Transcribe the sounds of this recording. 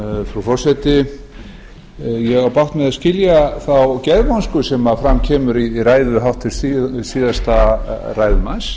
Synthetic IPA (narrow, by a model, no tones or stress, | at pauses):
fɾufɔr̥sɛt̪ɪ | jɛɣawpawht̪mɛðascɪljaθawcɛɾmɔnskʏsɛmafɾamcʰɛːmʏɾiraːjðʏɦawht̪ʰːɪlsiːðast̪araːjðʏmans